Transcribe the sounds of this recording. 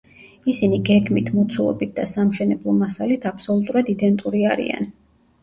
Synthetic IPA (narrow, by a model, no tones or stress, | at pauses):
isiniɡɛɡmit̪ʰmɔt̪sʰulˠɔ̰bit̪̚d̪̥asamʃɛnɛblˠɔmasalit̪ʰapʰsɔlˠut̪ʼuɾad̪id̪ɛnt̪ʼuɾiaɾḭa̰n